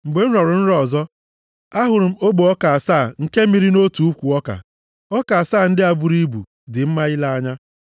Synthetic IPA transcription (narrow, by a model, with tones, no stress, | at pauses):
ŋ͡m̩˨ɡ͡be˨n̩˦ɾɔ˨ɾʊ˨n̩˦ɾɔ˦˨zɔ˦ | a˦ɦʊ˨ɾʊ˨m̩˦o˦ɡ͡bo˨ɔ˦ka˨a˨saː˦˨ŋ̩˨ke˦mi˨ɾi˦no˦tu˨u˦kʷu˨ɔ˦ka̰˨ | ɔ˦ka˨saː˦˨n̩˦dɪ˦a˨bu˦ɾi˦bṵ˨ | dɪ˨m̩˦ma˦ɪ˦la˦a˦ɲa˦